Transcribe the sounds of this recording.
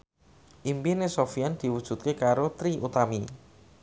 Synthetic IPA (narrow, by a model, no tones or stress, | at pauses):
ʔimpinesofiand̪̥i̤wud̥ʒ̥ṳt̪̚kekaɾot̪ɾiʔut̪ami